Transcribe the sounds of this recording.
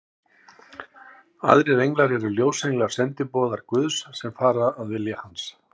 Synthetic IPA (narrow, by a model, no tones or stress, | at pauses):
a̰ðɾɪɾejŋklaɾɛɾʏljoːwsejŋlḁsɛnt̪ɪpɔːðaɾkvʏðsːɛmfaːɾaaðvɪljahans